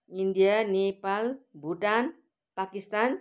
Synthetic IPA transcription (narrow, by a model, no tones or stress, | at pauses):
indianepalbuʈan | pakist̪an